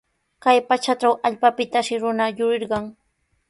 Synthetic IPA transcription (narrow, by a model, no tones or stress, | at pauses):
kajpat͡ʃaʈ͡ʂawʔaʎpapɪt̪aʃɪɾʊnajʊɾɪɾɢɑŋ